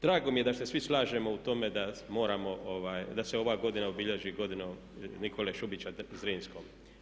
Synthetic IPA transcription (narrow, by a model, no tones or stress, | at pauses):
d̪ɾaːɡo̞mije̞d̪ase̞sʋislaːʒemo̞ut̪o̞me̞d̪amo̞ːɾamo̞ʔoʋaːjd̪ase̞o̞ʋaːɡo̞d̪inaobiʎeʒiɡo̞d̪ino | nikʰo̞leʃubit͡ɕazɾiːnskoːm